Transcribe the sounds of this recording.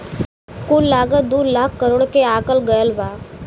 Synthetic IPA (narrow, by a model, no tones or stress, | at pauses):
kullaɡəd̪uːɾlakʰːəɾoːɽkeakəlɡəjəlʋa